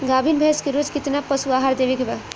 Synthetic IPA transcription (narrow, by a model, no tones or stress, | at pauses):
ɡabʱinbʱeskeɾod͡ʒkit̪napəsuaɦaɾd̪ebekeba